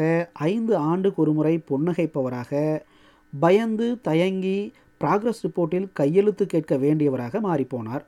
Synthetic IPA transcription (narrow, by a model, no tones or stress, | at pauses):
ɐʔɐɪnd̪ɯaːɳɖɯkɔɾɯmɯrɐɪpɔɳːɐɣɐɪpːɐʋɐɾaːɣɐ | bɐjɐnd̪ɯt̪ɐjɐŋɡi | pɪɾaːɡɾɐsɾɪpːoːʈːɪlkɐjːɛɻɯt̪ːɯkːeːʈ̚kɐʋeːɳɖɪjɐʋɐɾaːɣɐmaːripːoːna̰ːɾ